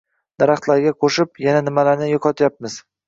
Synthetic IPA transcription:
d̪̥aɾaχt̪laɾɡʲaqʰoʃɪpjananɪmalaɾnɪjoqʰɒt̪ʰjap̚mɪz̥

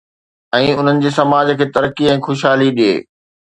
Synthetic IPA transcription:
ɛ̃ːʊn̤ənɪ̆d͡ʑeːsɐmaːd͡ʑkʰeːt̪ɐɾəkiɛ̃ːxʊʃ̬ɦaːliɗiḛː

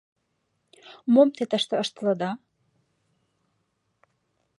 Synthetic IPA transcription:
momt̪et̪əʃt̪ɤ̆əʃt̪lə̆d̪ɑ

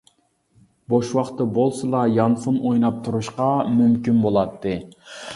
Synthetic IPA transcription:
boʃwɑqt̪ːɨbolˠsɨlˠɑjɑnfunʔojnɑp̚t̪ʰuɾuʃqɑmymkʲynbolˠɑt̪ʰːɨ

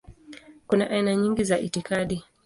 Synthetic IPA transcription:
kunaʔainaɲiŋɡizaʔitikaɗi

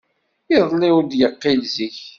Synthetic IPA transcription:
ɪðˤliwd̪jəqːilziç

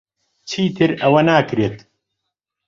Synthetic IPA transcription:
t͡sʰiːt̪ʰɨɾɐwɐnaːkɾeːt̪

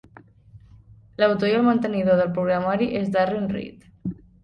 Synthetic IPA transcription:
lawt̪ojəlmənt̪əniðoðəlpɾuɣɾamaɾiʔezd̪arenrḭt̪

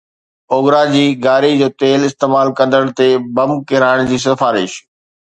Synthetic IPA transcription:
oːɡɾad͡ʑiːɡaːɾid͡ʑoːt̪eːlɪst̪eːmaːlkɐ̃nd̪əɽ̃t̪ebɐmkɪɾaːɪɽ̃d͡ʑiːs̬ɐfaːɾɪ̰ʃ

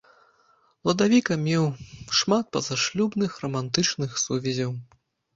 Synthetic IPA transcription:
lˠɐd̪avʲikɐmʲɛwʂmat̪̚pɐzaʂlʲubnɨxrɐmant̪ɨt͡ʂnɨxsuvʲɛzʲɐw

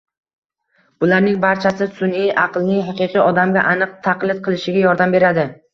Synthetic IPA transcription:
bʊlaɾnɪŋbaɾt͡ʃʰasɪsʊniʔaqlˠnɪŋɦɑqɨqʰɨɒd̪amɡʲaʔanɨq̚t̪ʰaqlˠɪd̪̚qʰɨlˠɪʃɪɡʲajɒɾd̪ambe̞ɾad̪ɪ

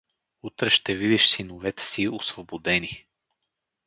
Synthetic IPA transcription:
ut̪ɾɛʃt̪ɛvid̪iʃsinovɛt̪ɛ̥siosvobod̪ɛni

